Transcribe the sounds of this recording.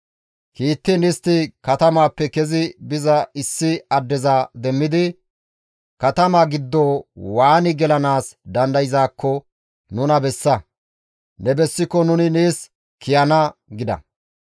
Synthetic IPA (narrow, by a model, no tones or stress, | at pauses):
kiːt̪ːɪnɪst̪ːɪkɐt̪ɐmaːpːɛkɛzɪbɪzɐɪsːɪɐd̪ːɛzaːd̪ɛmːɪd̪ɪ | kɐt̪ɐmaːɡɪd̪ːoːwaːnɪɡɛlɐnaːsd̪ɐnd̪ɐjɪzaːkːɔ | nʊnɐbɛsːɐ | nɛbɛsːɪkːɔnʊnɪneːs | kɪjɐnɐɡɪd̪ɐ̰